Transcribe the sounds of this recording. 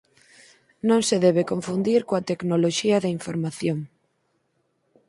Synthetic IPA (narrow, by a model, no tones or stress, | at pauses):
nõŋseðɛβekoɱfund̪iɾkoat̪eknoloʃiɐðaiɱfoɾmaθjoŋ